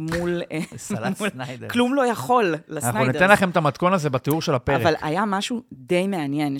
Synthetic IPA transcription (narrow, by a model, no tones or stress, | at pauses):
mul | mulklumlo̞jaχo̞lːasanaχnunit̪enlaχe̞met̪amat̪ko̞nazebat̪euʁʃelapeaʁevala̰jamaʃud̪e̞jmeanjen